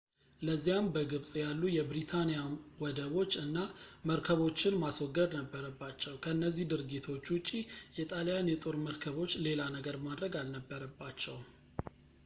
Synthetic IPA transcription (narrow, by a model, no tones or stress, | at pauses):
ləzːijambəɡɨβsʼjalːujɛbɾit̪ʰanijawɔd̪əβo̞t͡ʃːɨnːaməɾkʰəβo̞t͡ʃːɪnmaswɔɡːəd̪nəbːəɾəbːat͡ʃːɛwkʰəɨnːəzːihd̪ɨɾɡit̪ʰo̞t͡ʃːwʊt͡ʃʼijɛt̪ʼalijanjɛt̪ʼo̞ɾməɾkʰəβo̞t͡ʃːle̞lanəɡəɾbmad̪ɾəɡalnəbːəɾəbːat͡ʃːɛw